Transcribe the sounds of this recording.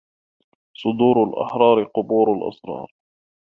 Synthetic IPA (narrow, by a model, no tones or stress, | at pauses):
sˤʊd̪uːɾʊlʔɑ̰ħɾˤɑːɾɪqʊbuːɾalʔɑ̰sɾˤɑ̰ːɾˤ